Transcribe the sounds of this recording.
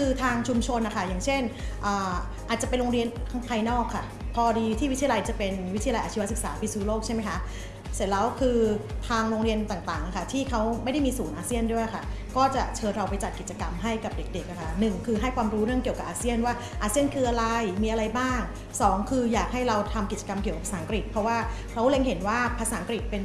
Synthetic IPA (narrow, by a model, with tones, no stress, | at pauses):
kʰɯː˧t̪ʰaː˧ŋt͡ɕʰu˧mt͡ɕʰo˧nʔa˨˩kʰa˥˩jaː˨˩ŋt͡ɕʰe˥˩nʔaː˨˩ | ʔaː˨˩t͡ɕa˨˩pe˧nɾoː˧ŋɾi˧ənkʰa˥ŋpʰaː˧jnɔː˥˩kʰːa˥˩ | pʰɔː˧diː˧t̪ʰiː˥˩i˦˥t̪ʰi˧la˧jt͡ɕa˨˩pe˧nwi˦˥t̪ʰi˧jʔaː˧˩i˦˧wa˥sɯ˨˩k̚saː˩˦pi˧suː˦˥loː˥˩k̚t͡ɕa˥˩jma˦˥jkʰa˦˥ | se˨˩t̪̚lɛː˦˥wkʰɯː˧t̪ʰaː˧ŋɾoː˧ŋɾi˧ənt̪aː˨˩ŋt̪aː˨˩ŋʔa˨˩kʰa˥˩t̪ʰiː˥˩kʰa˦˥wma˥˩jda˥˩jmiː˧suː˩˦nʔaː˧si˥˩əndu˥˩əjkʰa˥˩kɔː˥˩t͡ɕa˨˩t͡ɕʰɤː˧nɾa˧wpa˧jt͡ɕa˨˩t̪̚ki˨˩t̪t͡ɕa˧ka˧mɦa˥˩jka˨˩p̚de˨˩k̚de˨˩k̚ʔa˨˩kʰa˥˩nɯ˨˩ŋkʰɯː˧ɦa˥˩jkʰwaː˧mɾuː˦˥ɾɯ˥˩ŋki˨˩əwka˨˩p̚ʔaː˧si˥˩ənwaː˥˩ | ʔaː˧si˥˩ənkʰɯː˧ʔa˧ɾa˧jmiː˧ʔa˧ɾa˧jbaː˥˩ŋ | sɔː˩˦ŋkʰɯː˧jaː˨˩k̚ɦa˥˩jɾa˧wt̪ʰa˧mki˨˩t͡ɕa˧ka˧mki˨˩əka˨˩pʰa˧saː˩˦˨kɾi˨˩t̪̚pʰɾɔ˦˥waː˥˩kʰɾa˦˥wle˧ŋɦe˩˦nwaː˥˩pʰa˧saː˩˦a˦ŋkɾi˨˩t̪̚pe˧n